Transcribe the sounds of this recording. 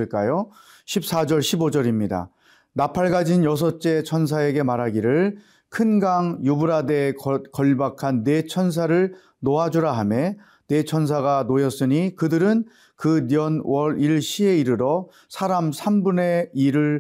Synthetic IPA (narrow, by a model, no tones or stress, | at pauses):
ɯɭk͈ajo | ɕʰip̚s͈ad͡ʑʌɭɕʰibod͡ʑʌɾimɲida̰ | napʰaɭɡad͡ʑinjʌs̬ʰʌt͡ɕ͈e̞t͡ɕʰʌns̬ʰae̞ɡe̞maɾɦaɡiɾɯɭ | kʰɯnɡaŋjubuɾade̞kʌʎbakʰanːe̞t͡ɕʰʌns̬ʰaɾɯɭ | noɦad͡ʑuɾaɦame | ne̞t͡ɕʰʌns̬ʰaɡanojʌs͈ɯɲikɯdɯɾɯn | kɯnjʌnwʌɾiɭɕ͈ʰie̞iɾɯɾʌ | sʰaɾamsʰambune̞iɾɯɭ